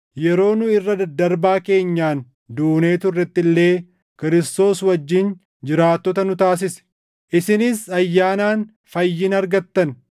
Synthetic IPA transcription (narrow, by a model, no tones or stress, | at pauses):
jɛɾo̞ːnʊɪrːɐd̪ɐɾbaːke̞ːɲːaːn | d̪uːne̞ːt̪ʊɪrːɛt̪ːɪlːe̞ː | kɪɾɪst̪o̞ːswɐd͡ʒːɪn | d͡ʒɪɾaːt̪ːɔt̪ɐnʊt̪aːs̬ɪsɛ̥ | ʔɪsɪnɪsɐjːaːnaːn | fɐjːɪnɐɾɡɐt̪ːɐn